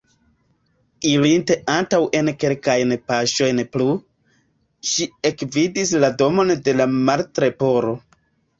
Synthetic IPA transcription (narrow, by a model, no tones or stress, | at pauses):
iɾinte̞ʔantawʔe̞nke̞lkajnpaʃo̞jnplu | ʃie̞kvidis̬lado̞mo̞nde̞lamaltɾe̞po̞ɾo̞